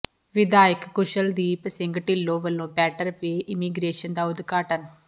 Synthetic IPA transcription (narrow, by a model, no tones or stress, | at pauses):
ʋɪd̪aːɪkːʊʃəld̪iːpəsɪ̃ŋɡʈɪlːoːʋəlːõːpɛːʈəɾpeʔɪmiːɡɾeːʃənd̪aːʊd̪ɡaːʈən